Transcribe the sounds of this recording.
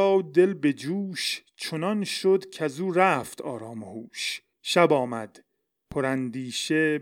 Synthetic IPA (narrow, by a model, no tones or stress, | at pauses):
ɒːwd̪e̞lbe̞d͡ʒuːʃ | t͡ʃʰonɒnʃod̪cʰæzuːɾæft̪ʰɒːɾɒːmehuːʃ | ʃæbɒːmæ̰d̪̥ | pʰoɾænd̪iːʃe